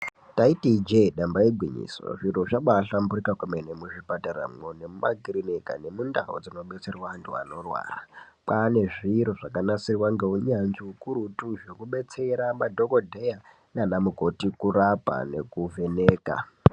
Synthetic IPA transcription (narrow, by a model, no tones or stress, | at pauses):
taitid͡ʒeɗambaeɡʱwiɲḭso̰ʐiɾoʐaɓaɬamburikakumenemuʐipatara̰mwone̞mumaɡʱiɾineka̰ne̞mundaɦo̰d͡zino̞ɓe̞t͡se̞rwandua̰no̞rwa̰ːra | pane̞ʐiɾoʐakanasirwaŋɡe̞uɲand͡ʒiukuɾutuʐokuɓe̞t͡se̞ɾamadʱokodʱeja | nanamuko̞tikuɾapa̰ne̞̰kuve̞neːka̰